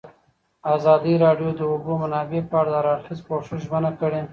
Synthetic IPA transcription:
azɑd̪iɾɑɖjod̪əʊbomanɑbepɑːɽd̪aɾɑxɪzkoʂɪʃʒmanakəɽe

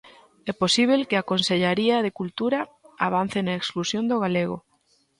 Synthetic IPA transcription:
ɛposiβ̞elkeakonseʎaɾiaðekult̪uɾaaβ̞an̟θenaeksklusjond̪oɣaleɣo

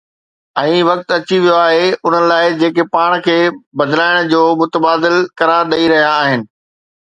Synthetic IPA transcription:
ɛ̃ːʋɐk̚t̪ɐt͡ɕiʋijoaːɦeʊn̤ənɪ̆laːɪd͡ʑeːkepaːɽ̃kʰeːbɐd̪laːɪɽ̃d͡ʑoːmʊt̪əbaːd̪ɪlkɐɾaːɾɗɐiɾɐɦijaːɦɪnɪ̆

